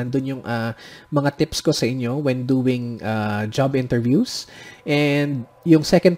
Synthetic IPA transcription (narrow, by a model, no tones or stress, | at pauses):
nd̪ʊnjʊŋʔamɐŋat̪ɪpsko̞sɐʔɪɲjo̞wɛnd̪uːwɪŋʔad͡ʒabʔɪ̃nt̪ɛɹvjusʔɛnd̪̚jʊŋsɛkɐ̃nd̪̚